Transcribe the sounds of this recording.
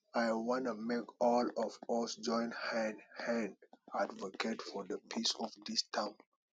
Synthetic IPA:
ajwɔ̃numekɔlɔvɔsd͡ʒɔ̃ɪ̃nthɛ̃nhɛ̃ndadvɔkʰetfɔdəpʰisɔfdistʰãʊ̃n

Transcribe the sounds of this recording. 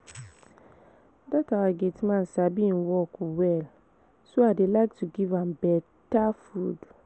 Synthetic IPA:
datawaɡetmãnsabĩnwɔkwɛl | soaɪdelaɪk̚tʰuɡivãmbɛ | tafud

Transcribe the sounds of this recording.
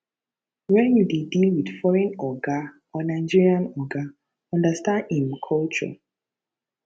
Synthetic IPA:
wɛ̃njudedilwid̥fɔɹɛ̃nɔɡa | ɔnaɪd͡ʒiɹiãnɔɡa | ɔ̃ndastãndĩmkʰɔlt͡ʃɔ̰

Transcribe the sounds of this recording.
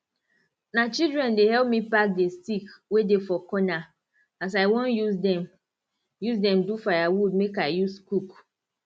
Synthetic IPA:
nat͡ʃildɹɛ̃ndehɛlp̚mipak̚destikwedefɔkɔna | as̬aɪwɔ̃njuzdɛm | juzdɛ̃mdufajawud̚mekaɪjuskuk

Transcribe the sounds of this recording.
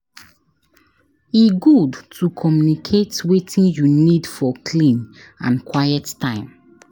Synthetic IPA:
iɡudtʰukʰɔmjunikʰetwetʰĩnjunidfɔkʰlĩn | ã̰nkʰwajɛttːãɪ̃m

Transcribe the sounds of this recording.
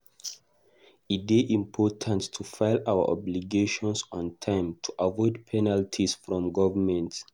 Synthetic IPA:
it̚beʔĩmpʰɔtʰãntːʰufaɪlawə̰ʔɔ̰bliɡeʃɔ̃nsɔ̃ntʰãɪ̃mtʰuʔavɔɪdpʰɛnaltʰisfɹɔ̃mɡɔvəmɛ̃nt

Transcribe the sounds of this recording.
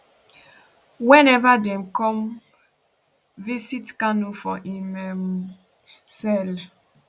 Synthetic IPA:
wɛ̃nɛvadɛ̃mkɔ̃m | visitkãnːofɔʔimɛm | sɛl

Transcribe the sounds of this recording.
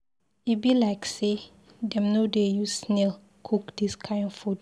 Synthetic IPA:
ibilaɪkse | dɛ̃mnodejusnɛl | kʰukdiskʰãɪ̃ndfud

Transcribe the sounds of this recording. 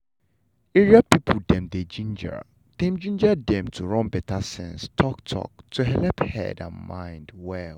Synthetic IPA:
eɹiapipʰuldɛ̃mded͡ʒĩnd͡ʒə̰ɹ | d̥ɛ̃md͡ʒĩnd͡ʒadɛ̃mtʰuɹɔ̃nbɛtʰasɛ̰̃nstʰɔktʰɔ̰k̚tʰuɦɛlɛphɛ̰dã̰nmãɪ̃ndwɛl

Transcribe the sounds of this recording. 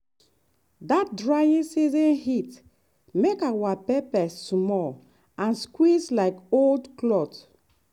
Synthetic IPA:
dat̚dɹajĩnsizɔ̃nhit | mekawapɛpɛssmɔl | ãnskwislaɪkoldklɔt

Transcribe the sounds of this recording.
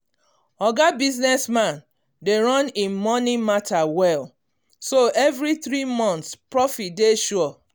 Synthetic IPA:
ɔɡabiznɛsmãn | deɹɔ̃nĩnmɔnimatʰawɛl | soʔɛvɹiθɾimɔ̃nt̪spɹɔfit̚deʃɔ

